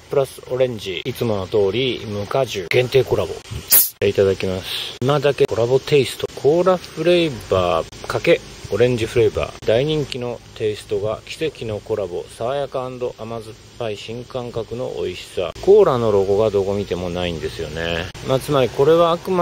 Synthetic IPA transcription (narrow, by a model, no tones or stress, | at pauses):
pɯ̟ɾasɨ̥o̞ɾẽ̞ɲ̟d͡ʑiit͡sɨmo̞not̪o̞ːɾʲimɯ̟kaʑɨɡ̥ẽ̞nt̪e̞ːko̞ɾabo̞̰t̪e̞it̪ad̪akʲimasɨ̥imad̪ake̞ko̞ɾabo̞t̪e̞isɨ̥t̪o̞kʰo̞ːɾaɸɯ̟ɾe̞ibaːkake̞o̞ɾẽ̞ɲ̟d͡ʑiɸɯ̟ɾe̞iba̰ːd̪aiɲ̟ĩŋkʲino̞t̪e̞isɨ̥t̪o̞ɡakʲi̥se̞kʲino̞ko̞ɾabo̞saβajakãːnd̪o̞ʔamazɨɨpːaiɕĩŋkãŋkakɯ̟no̞̰ʔo̰iɕi̥sa̰ko̞ːɾano̞ɾo̞ɡo̞ɡad̪o̞ɡo̞mʲit̪e̞mo̞naĩnd̪e̞sɨjo̞ne̞maːt͡sɨmaɾʲiko̞ɾe̞βaːkɯ̟ma